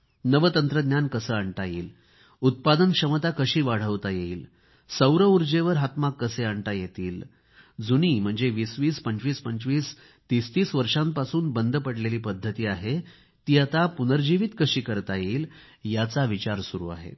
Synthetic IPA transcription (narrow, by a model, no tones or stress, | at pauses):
nəʋət̪ənt̪ɾəd̪njankəsəːaɳʈajḭːl | ut̪̚pad̪ənkʂəmət̪akəɕiːʋaɽ̤əʋt̪ajeiːl | səwɾəuɾd͡ʑeʋəɾɦat̪makːəseaɳʈ̪ajet̪iːl | d͡zuniːm̤əɳd͡zeʋiːsʋiːspəɲt͡ɕʋiːspəɲt͡ɕʋiːs | t̪ist̪iːsʋəɾʂãmpasuːnbənd̪ʱəpəɽleliːpəd̪ʱːət̪iːaɦe | t̪iːat̪apunəɾd͡ʑiʋit̪kəɕiːkəɾt̪ajeiːl | jat͡saʋit͡ɕaɾsuɾṵːa̰ɦḛ